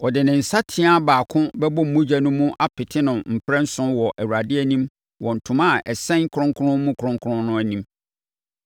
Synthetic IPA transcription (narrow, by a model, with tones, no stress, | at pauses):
ɔ˨dɪ˨nɪ̃˨n̩˨sa˦tʰɪ˦a˦baː˨kʰʊ̃˦bɛ˦bɔ˦m̩˨mũ˦d͡ʑæ˦nʊ̃˦mũ˦ʔa˦pʰɪ˨tʰɪ˦nʊ̃˨m̩˨pʰɾɛ̃˦n̩˦sʊ̃˦wɔ˨ʔæ˨wu˨a˨dɪ˦ɛ˦nĩ˦m | wɔ˨n̩˨tʰʊ̃˨ma˦˨ʔɛ˨sɛ̃˦ŋkʰʊ˨ɾʊ̃˦ŋkʰʊ˦ɾʊ̃˦mũ˦kʰʊ˨ɾʊ̃˦ŋkʰɾʊ̃˦nnːʊ̃˦æ˨nĩ˦m